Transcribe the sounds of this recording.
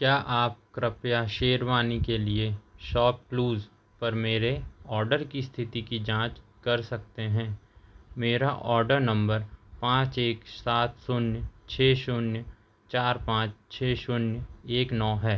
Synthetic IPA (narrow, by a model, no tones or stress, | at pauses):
kjaːʔaːp̚kɾəpjaʃeːɾʋaːnikelieʃɔːp̚kluːz | pɐɾmeːɾeɔːɾɖəɾkist̪ʰɪt̪ikid͡ʒãːt͡ʃkɐɾsɐk̚t̪eɦɛ̃ːmeːɾaʔɔːɾɖəɾnɐ̃mbəɾpãːt͡ʃeːksaːt̪ʰsʊnjət͡ʃʰeːʃʊnjə | t͡ʃaːɾpãːt͡ʃt͡ʃʰeːʃʊnjeːknɔːɦɛː